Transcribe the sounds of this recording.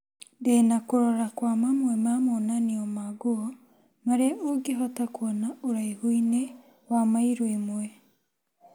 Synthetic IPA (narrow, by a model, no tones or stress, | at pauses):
denakoɾoɾakwamamwemamonaniomaɡuo | maɾeʔoɡiɦatakonauɾaihuine | wamaiɾwemue